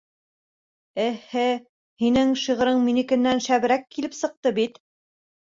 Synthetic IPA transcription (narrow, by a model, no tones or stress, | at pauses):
ɘhɘ | hinɘŋʃiʁɤ̆ɾɤɴminɘ̆kɘ̆nːænʃæβ̆ɾækːilɘpsɤ̆q̚t̪ɤbit̪